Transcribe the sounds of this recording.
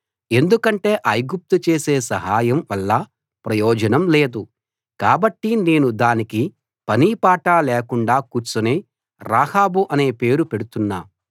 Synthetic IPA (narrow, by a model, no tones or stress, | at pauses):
e̞nd̪ukɐɳʈe̞ːʔɐjɡup̚t̪ut͡ʃe̞ːseːsɐɦaːjɐmʋɐlːɐ | pɾɐjɔːd͡ʒɐnɐmle̞ːd̪u | kaːbɐʈːine̞ːnud̪aːniki | pɐniːpaːʈaːlɛːkuɳɖaːkuːɾt͡ʃuneː | ɾaːhaːbuʔɐne̞ːpe̞ːɾupe̞ɽut̪unːa̰ːm